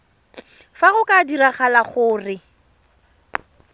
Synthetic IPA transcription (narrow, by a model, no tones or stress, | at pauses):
faɣʊkʼadiraχalaχʊːrɪ